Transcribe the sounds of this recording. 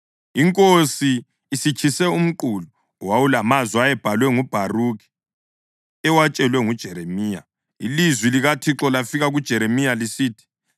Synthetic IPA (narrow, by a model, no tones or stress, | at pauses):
iŋkʼosiː | sit͡ʃʰisɛum̩ǃuːlu | wawulamaziajɛb̥ʱalwɛŋub̥ʱaruki̥ | ɛwat͡ʃʼɛlwɛŋud̥ʒ̥ʱɛɾemiːja̰ | ḭlizwiliɣatʰiǁɔlafiɣaɣud̥ʒ̥ʱɛɾemijalisiːtʰi̥